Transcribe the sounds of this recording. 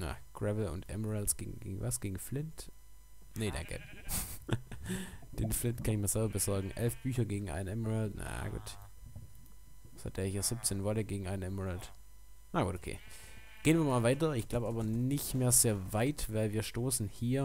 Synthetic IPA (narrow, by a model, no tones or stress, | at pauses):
na̰kʰʁ̥ɛvl̩ʊ̰ntʔɛ̰mɔʁɛlsɡ̥ḛːɡŋ̩ɡḛːɡŋ̩va̰sɡ̥eːɡŋ̩flɪnt | neda̰ŋkɛ̰ | d̥eːnflɪntkʰanɪçmiːɐzɛlbɐbəzɔɐɡŋ̩ʔɛ̰lfb̥yːçɐɡeːɡŋ̩ʔa̰ɪnnɛmɔʁɛlna̰a̰ɡ̥ṵːt | sha̰t̚d̥eːɐhiːɐz̥ɪp̚t͡seːnvɔtəɡeːɡŋ̩ʔa̰ɪnnɛmɔʁɛlt | naɡṵːtokʰḛː | ɡ̥eːənviːɐmaːlvaɪtɐɪçɡ̥laʊbəaːbɐnɪçtmeːɐzeːɐvaɪtvaɪlviːɐʃtoːsn̩hiːɐ